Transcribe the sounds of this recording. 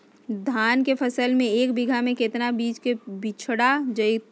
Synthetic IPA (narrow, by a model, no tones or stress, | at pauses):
d̪ʱaːnkepʰəsəlmẽeːkbiɡʱamẽket̪nabiːt͡ʃkebɪt͡ʃʰɽad͡ʒəjt̪̚